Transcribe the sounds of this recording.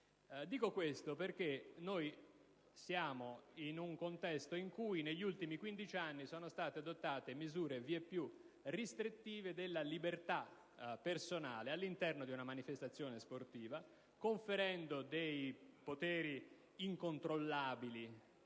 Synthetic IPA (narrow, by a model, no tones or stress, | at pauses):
d̪iːkokwest̪operk̟enoj | sjaːmoinuŋkont̪ɛst̪oiŋkuːjneʎːult̪imikwind̪it͡ʃanːisoːnost̪aːt̪ead̪ot̪ːaːt̪emizuːɾeviːepːju | rist̪ɾit̪ːiːved̪elːalibert̪a | pːersonaːlealːint̪ɛrnod̪iunamanifest̪at̪sːjoːnesport̪iːva | koɱfeɾɛnd̪od̪ejpot̪ɛːɾi | iŋkont̪ɾolːaːbili